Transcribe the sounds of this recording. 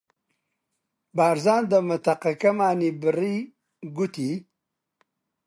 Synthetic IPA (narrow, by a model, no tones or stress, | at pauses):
baːɾzaːnd̪əmat̪aqakɐmaːnibɾi | ɡut̪i